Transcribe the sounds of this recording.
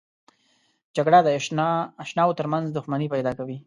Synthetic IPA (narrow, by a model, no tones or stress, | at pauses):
d͡ʒaɡɽad̪əaʃnɑwot̪əɾmanzd̪ʊxmanipajd̪ɑkawi